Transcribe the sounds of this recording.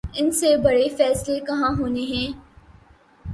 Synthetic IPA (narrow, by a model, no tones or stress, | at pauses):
ɪnsebɐɽefɛːslekɐɦãɦoːneɦɛ̃ː